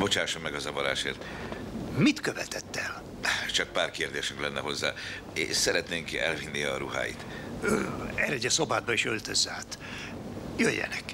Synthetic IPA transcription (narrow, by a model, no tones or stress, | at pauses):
bo̞t͡ʃaːʃomːɛɡɒzɒvɒɾa̰ːʃeːrt̪ | mit̪køvɛt̪ɛt̪ːɛl | t͡ʃɒk̚paːrkeːrd̪eːʃyŋklɛnːɛɦo̞zːa̰ː | esɛɾɛt̪neːŋkɛ̰lvinːiɒɾuɦa̰ːjḭt̪ | øɛɾɛɟɛso̞baːd̪̚bɒiʃølt̪øzːaːt̪ | jøjːɛ̰nɛk